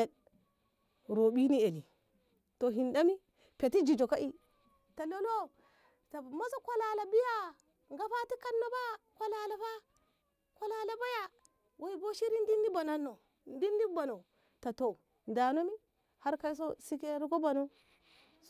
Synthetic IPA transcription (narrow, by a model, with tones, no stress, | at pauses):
e˨ | ɾo˨bi˦ni˦e˨li˨ | to˨ɦi˨nda˦mi˦ | pe˨ti˦d͡ʒi˨d͡ʒo˨ka˦ʔi˦ | ta˨lo˦lo˦ | ta˨ma˦so˦ka˦la˨la˨bi˦ja˦ | ŋɡa˦fa˦ti˦ka˦nːo˦ba˦ka˦la˦la˨fa˦ | ko˦la˨la˨ba˦ja˨ | wʔe˨˦i˦bo˦ʃi˦ɾi˦n˦di˦ndi˦ba˨na˨nːo˨ | n˦di˦ndi˦ba˨no˨ | ta˨to˨ | nda˨no˦mi˦ | ha˦ɾka˦i˦s̬o˦si˦ke˦ɾi˦ɡo˦ba˨no˦